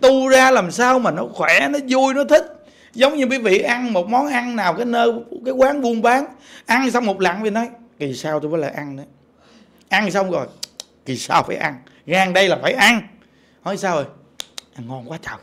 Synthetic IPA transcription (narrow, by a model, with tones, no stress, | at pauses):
t̪u˧zaː˧laː˨˩msaː˧wmaː˨˩nɔ˨˦xwɛ˧˩nɔ˨˦zu˧əjnɔ˨˦t̪ʰï˦˥k̚ | zə˨˦wŋ͡mɲɨ˧ki˨˦vḭ˧˨ʔa˧ŋmo˨˩t̚mɔ˨˦nʔa˧ŋnaː˨˩wkaː˨˦jnəː˧kaː˨˦jkwaː˨˦nɓu˧ənɓaː˨˦nʔa˧ŋsa˧wŋ͡mmo˨˩t̚la̰˨ŋvi˨˩nɔ˨˦j | ki˨˩saː˧wt̪u˧vɔ˨˦la̰ː˨˩ʔa˧nnə˨˦ | ʔa˧ŋnsa˧wŋ͡mzɔ˨˩j | ki˨˩saː˧wfaː˧˩jʔa˧ŋ | ɣaː˧˩ŋɗə˧jlaː˨˩faː˧˩jʔa˧ŋ | hɔ˨˦saː˧wʔə˨˩j | ʔŋŋɔ˧˩nkwaː˨˦t͡ɕa˨˩w